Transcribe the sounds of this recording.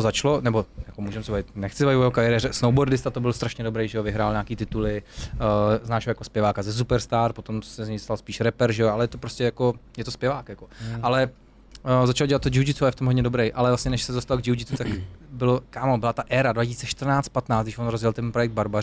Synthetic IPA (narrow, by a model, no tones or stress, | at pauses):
t̪ozat͡ʃlonɛbojakomuːʒɛmsɛbavɪt̪nɛxt͡sɪbavɪvojɛɦokaɾɪɾɛːɾɛsnowboɾdɪst̪at̪obɪlst̪ɾaʃɲɛdobɾɛjʒɛovɪɦɾaːlɲaːkiːt̪ɪt̪ulɪ | znaːʃjakospjɛvaːkazɛs̬upɛɾst̪aːɾpo̞t̪o̞msɛzɲɛjdost̪alspiːʃɾɛpɛɾʒɛoalɛjɛt̪opɾoscʲɛjakojɛt̪ospjɛvaːkjakoʔalɛ | zat͡ʃaloɟɛlat̪t̪ːod͡ʒɪwd͡ʒɪt͡s̪uajɛft̪omɦodɲɛdobɾɛjʔalɛvlasɲɛnɛʃsɛzost̪alɡd͡ʒɪwd͡ʒɪt̪ut̪akbɪlokaːmobɪlat̪aʔɛːɾadvacisiːt͡ssɛʃt̪r̩naːt͡st̪̚pat̪naːtt͡s̪dɡdɪʃvonɾozjɛlt̪ɛnpɾojɛkɡd̪̚baɾba